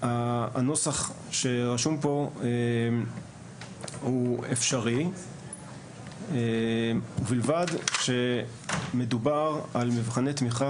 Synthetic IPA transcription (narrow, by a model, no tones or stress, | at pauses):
ano̞saχ | ʃe̞ʁaʃumpo̞e | huefʃaʁi | e | uvilvadʃe̞ | me̞dubaʁalmivχanet̪miχa